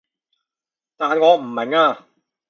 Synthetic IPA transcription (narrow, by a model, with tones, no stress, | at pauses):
t̪aː˨nŋɔː˨˧m̩˨˩mɛ˨˩ŋaː˧˩